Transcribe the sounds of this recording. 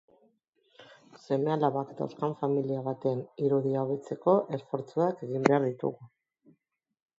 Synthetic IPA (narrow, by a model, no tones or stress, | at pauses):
se̞me̞alaβakd̪a̰wskaɱfamiliaβat̪eaniɾuðiaoβe̞t͡se̞ko̞ʔe̞sfo̞ɾt͡suake̞ɣimbe̞aɾðit̪ṵɣu